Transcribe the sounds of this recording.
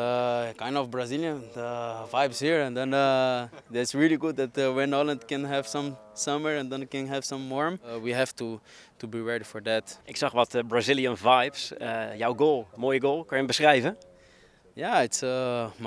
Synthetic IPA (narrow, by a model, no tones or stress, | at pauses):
kãɪ̃ndɔfbɹaziljə̃nəvajbshiɹɛ̃nd̪ɛ̃n | d̪ɛtsɹiliɡud̚dɛtwɛ̃nɔlə̃ndkɛ̃nɦɛv̥sʌ̃msʌməɹɛ̃nd̪ɛ̃nkɛ̃nɦɛv̥sʌ̃mːɔɹmwiɦɛvtu | tubiɹɛɹdifɔɹd̪ætʔɪksɑχʋɑtbɹazɪlˠiə̃nvajpsjawɡolˠmoːjəɡolˠkɑ̃njəbəsχrɛjvə | jæɪtsəm